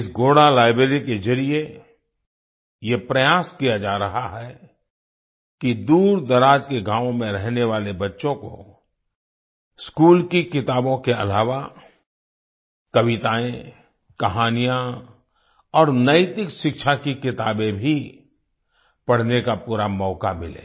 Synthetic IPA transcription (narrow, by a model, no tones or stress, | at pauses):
ɪsɡoːɽalaːɪbɾeːɾikezɐɾie | jepɾɐjaːskijad͡ʒaːɾɐɦaɦɛ | kid̪uːɾd̪ɐɾaːd͡ʒkeɡãːʋõmẽɾɛɦneʋaːlebɐtːʃõko̰ | skuːlkikɪt̪aːbõkeɐ̰laːʋa | kɐʋɪt̪aːẽ | kɐɦaːnijã | ɔːɾnɐɪt̪ɪkʃɪkʃʰakikɪt̪aːbẽbʱi | pɐɽ̤nekapuːɾamɔːkamɪlḛː